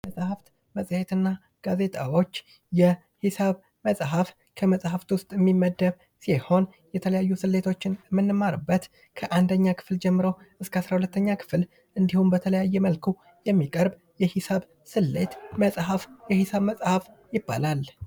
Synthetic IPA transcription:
məsʼhaft̪ | məsʼhe̞t̪ɨnːa | ɡ̥aze̞t̪ʼawo̞t͡ʃː | jɛ | hisaβ | məsʼɦaf | kʰəməsʼhaft̪wʊst̪ʼjɛmːimːəd̪əβ | siho̞n | jɛt̪ʰələjajːusɨlːe̞t̪ʰo̞t͡ʃːɪnmːɨnːɨmaɾɨbːət̪ | kʰəʔand̪əɲːakʰɨ̥fld͡ʒɛmːɨɾəwʔɨskʰəasɾahulət̪ʰːəɲːakʰɨ̥fl | ʔɨnd̪ihumbət̪ʰələjajːɛməlkʰu | jɛmːikʼəɾb | jɛhɪsaβ | sɨlːe̞t̪məsʼɦafjɛhisaβməsʼhaf | jɪbːa̰lal

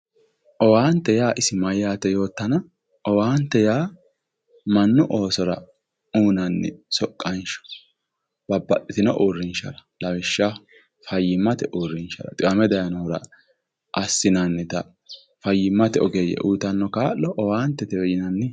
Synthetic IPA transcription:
ʔɔwaːnt̪ːɛjaːʔɪsɪmɐjaːt̪ːɛjo̞ːt̪ːɐnɐ | ɔwaːnt̪ːɛjaː | mɐnːʊʔo̞ːsɔɾɐ̰ | uːnɐnːɪ̰sɔkʼːɐnʃɔ̥ | b̥ɐbːɐtʼːɪt̪ɪnɔ̰ʔuːrːɪnʃɐɾɐlɐwɪʃːɐ | fɐjːɪmːɐt̪ɛʔuːrːɪnʃɐ̰ɾɐ̰t̪ʼɪwɐmɛd̪ɐjɐnɔɾɐ̰ | ʔɐsːɪnɐnːɪt̪ɐ | fɐjːɪmːɐt̪ɛɔɡɛjɛ̰ʔuːt̪ɐnːɔkaːlɔʔɔwaːnt̪ːɛt̪ɛwɛjɪnɐnːɪ

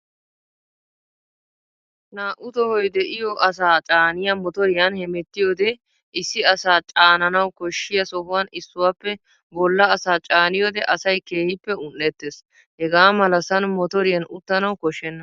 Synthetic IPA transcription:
naːʔʊt̪ɔhɔjd̪ɛʔɪjɔʔɐs̬aːt͡ʃʼaːnɪjɐmɔt̪ɔɾɪjɐnhɛmɛt̪ːɪjɔd̪ɛ | ɪsːɪɐsaːt͡ʃʼaːnɐnɐwkɔʃːɪjɐsɔɦʊwɐnɪsːʊwaːpːɛ | bɔlːɐːsaːt͡ʃʼaːnɪjɔd̪ɛʔɐsɐjkeːhɪpːɛʊnːɛt̪ːeːs | hɛɡaːmɐlɐsɐnmɔt̪ɔɾɪjɐnʊt̪ːɐnɐwkɔʃːɛnːɐ

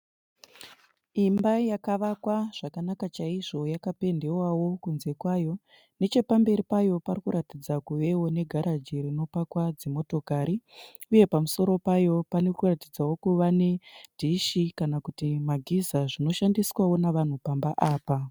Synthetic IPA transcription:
imbajakaʋakwaʐ̥akanakat͡ʃaiʐo̞jakape̞nde̞wawo̞kunze̞kwaːjo̞ | ne̞t͡ʃe̞pambe̞ɾipajo̞parikuɾatid͡zakuʋe̞wo̞ne̞ɡʱaɾad͡ʒiɾino̞pakwad͡ze̞mo̞to̞kaɾiuje̞pamuso̞ɾo̞pajo̞panekuratid͡zawo̞kuʋane̞dʱiʃikanakutimaɡʱizaʐino̞ʃandiswawo̞naʋan̤upambaʔaːpa

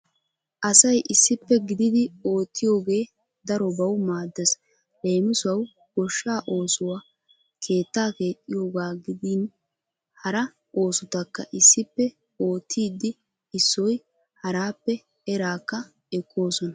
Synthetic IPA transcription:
ʔɐsɐjʔɪsːɪpːɛɡɪd̪ɪd̪ɪo̞ːt̪ːɪjo̞ːɡe̞ː | d̪ɐɾɔbɐwmaːd̪ːɛs | le̞ːmɪsʊɐw | ɡ̥ɔʃːaːʔo̞ːsʊwa | kʰe̞ːt̪ːaːke̞ːt̪ʼːɪjo̞ːɡaːɡɪd̪iːn | hɐɾɐ | ʔo̞ːsʊt̪ɐkːɐʔɪsːɪpːɛ | o̞ːt̪ʰːiːd̪ɪ | ɪsːɔj | hɐɾaːpːɛ | ɛɾaːkːɐ | ɛkʰːo̞ːsɔnɐ

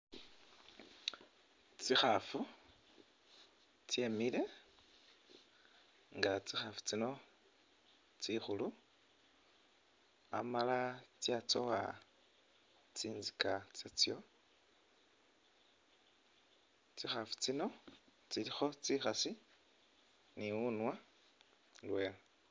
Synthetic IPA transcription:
t͡sixafu | t͡sjemile̞ | ŋɡat͡sixafu̥t͡sino̞ | t͡sixulu | a̰malat͡sjat͡sowa | t͡siːnzikat͡set͡sjo̞ | t͡sixafu̥t͡sino̞t͡silixo̞t͡sixasi | niunwa | lwe̞l

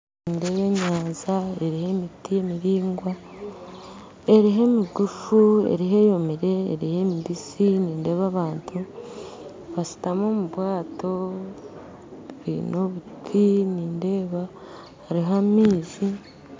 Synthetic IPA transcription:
niːnde̞ːβe̞ɲaːnzae̞ɾihe̞mitije̞miɾiːŋɡwa | e̞ɾiɦe̞miɡufuḛɾiɦe̞jo̞miɾe̞̰ːɾihe̞midisiniːnde̞ːβaβaːntʰu | βasi̥tamo̞muβwaːto̞ | βḭːnoβutʰiniːnde̞ːβa | haɾiɦamiːzi

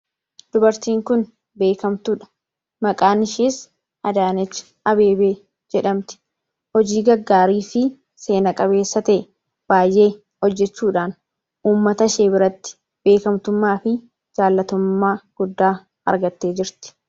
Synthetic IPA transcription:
d̪̥ʊbɐɾt̪iːŋkʊn | be̞ːkɐmt̪ʊᶑɐ̥ | mɐkʼaːnɪʃiːs | ʔɐd̪aːnɛt͡ʃːɪ̥ | ɐbe̞ːbeː | d͡ʒɛᶑɐmt̪ɪ̥ | hɔd͡ʒiːɡɐɡːaːɾiːfɪ | se̞ːnɐkʼɐβe̞ːsːɐt̪ɐʔ | b̥aːjʔe̞ː | ɔd͡ʒːɛt͡ʃːuːᶑaːn | ʔuːmːɐt̪ɐʃeːbɪɾɐt̪ːɪ̥ | b̥e̞ːkɐmt̪ʊmːaːfɪ | d͡ʒaːlːɐt̪ʊmːaːɡ̥ʊd̪ːaː | ɐ̰ɾɡɐt̪ːe̞ːd͡ʒɪɾt̪ɪ̥

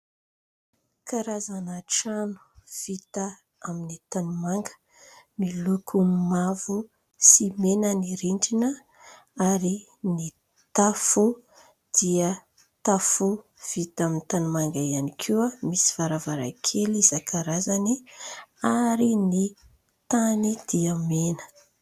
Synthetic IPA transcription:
kaɾazanaʈ͡ʂanu̥v̥it̪a | aminit̪anumaŋɡə̥ | milukʰumavu | simenəniɾiɳɖ͡ʐinə | aɾi | ni | t̪afu | d̪̥iə | t̪afu | v̥it̪amint̪anumaŋɡaianikʰuəmisi̥v̥aɾavaɾa̰kʰelizakʰaɾazani | aɾini | t̪anid̪̥iəmenə̥

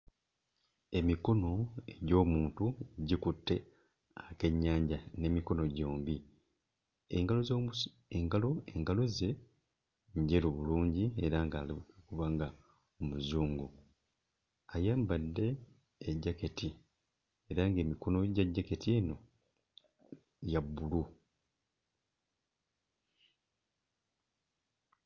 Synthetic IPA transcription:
e̞miko̞no̞e̞ɟo̞ːmuːntuɟikutːe̞ | ake̞ɲːaːɲɟane̞miko̞no̞ɟo̞ːmbi | ɡaloz | eŋɡalo̞eŋɡaloze̞ | ɲɟe̞ɾoβuluːɲɟie̞ɾaŋɡaːlikuβaŋɡa | omuzuːŋɡu | ajaːmbadːe̞ː | ɟːaketi | eɾaŋɡe̞ːmiko̞no̞ɟaɟːaketʰieːno̞ | jabːulu

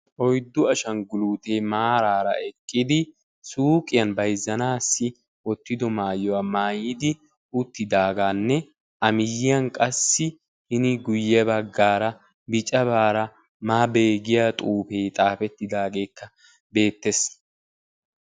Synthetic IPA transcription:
ʔɔjd̪ːʊɐʃɐnɡʊluːt̪e̞ːmaːɾaːɾɐ̰ɛkʼːɪd̪ɪ | suːkʼɪjɐnbɐjzːɐnaːsːɪ | ʔɔt̪ːɪd̪ɔmaːjɔwaːmaːjɪd̪ɪ | ʊt̪ːɪd̪aːɡaːnːɛ | ʔɐmɪjːɪjɐnkʼɐsːɪ | hɪnɪɡʊjːɛbɐɡːaːɾɐ | bɪt͡ʃʼɐβaːɾɐ | maːbe̞ːɡɪjat̪ʼuːfeːt̪ʼaːfɛt̪ːɪd̪aːɡe̞ːkːɐ | be̞ːt̪ːes

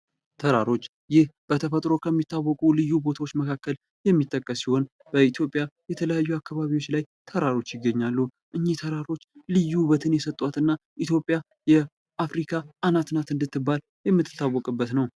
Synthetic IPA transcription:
t̪ʰəɾaɾo̞t͡ʃː | jɪhb̥ət̪ʰəfət̪ʼɾo̞kʰəmːit̪ːawːɔkʼulɨjːubo̞t̪ʰawot͡ʃːməkʰakːəl | jɛmːit̪ʼːəkʼːəsiho̞n | b̥əit̪ʰjo̞pʼːjajɛt̪ʰələjajːuakːaβaβiwo̞t͡ʃːlaj | t̪ʰəɾaɾo̞t͡ʃːjɪɡːəɲːalːu | ʔɨɲːit̪ʰəɾaɾo̞t͡ʃːlɨjːubət̪ʰɨnjɛsət̪ʼːwat̪ɨnːaʔit̪jo̞pʼːja | jɛ | ʔafɾikʰaʔanat̪nat̪ɨnd̪ɨt̪ːɨbːal | jɛmːɨt̪ʰːɨ̥t̪ːawːɔkʼɨbːət̪nəw

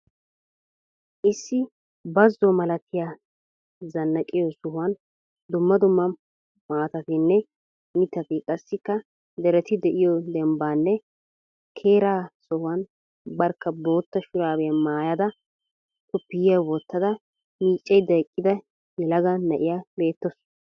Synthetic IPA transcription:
ʔɪsːɪ | bɐzːɔmɐlɐt̪ːɪja | zɐnːɐkʼɪjɔsʊhwɐn | d̪ʊmːɐd̪ʊmːɐ | maːt̪ɐt̪ɪnːɛ | mɪt̪ːɐt̪ɪkʼɐsːɪkːɐ | d̪ɛɾɛt̪ɪd̪ɛʔɪjɔd̪ɛmbaːnːɛ | kʰeːɾaːsɔhʊɐn | bɐɾkːɐbo̞ːt̪ːɐʃʊɾaːbɛjɐmaːjɐd̪ɐ | k̪ʊpːɪjjɐwɔt̪ːɐd̪ɐ | miːt͡ʃʼːɛjd̪ɐjkʼːɪd̪ɐ | jɛlɐɡɐnɐʔɪjabe̞ːt̪ːɔs

